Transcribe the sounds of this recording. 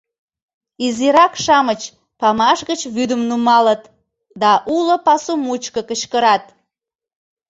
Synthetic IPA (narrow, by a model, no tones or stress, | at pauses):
iziɾɑkʃɑmət͡ɕ | pɑmɑʃɣət͡ɕβyd̪əmnumɑlət̪ | d̪ɑʔulə̆pɑsumut͡ɕkəkət͡ɕkəɾɑt̪̚